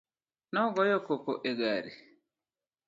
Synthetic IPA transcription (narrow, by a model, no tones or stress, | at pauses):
nɔɡɔjɔkɔkoʔeɡaɾi